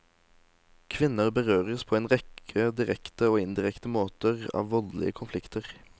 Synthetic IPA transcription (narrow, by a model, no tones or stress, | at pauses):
kʰʋɪnəʁbəʁøːʁəspʰoːeːnʁɛkʰəd̪ɪʁɛkt̪əoːɪnd̪ɪʁɛkt̪əmoːt̪əʁɑ̰ːʋʋɔllɪ̰əkʰʊnflɪkt̪əʁ